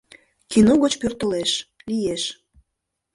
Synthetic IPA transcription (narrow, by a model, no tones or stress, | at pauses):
kinoɣot͡ɕpørt̪əleʃlijeʃ